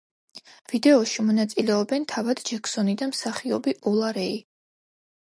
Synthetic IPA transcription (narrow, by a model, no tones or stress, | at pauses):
v̥id̪ɛɔʃimɔnat̪sʼilɛɔbɛnt̪ʰavad̪̥d͡ʒɛkʰsɔnid̪amsaχiɔbiʔɔlˠaɾɛi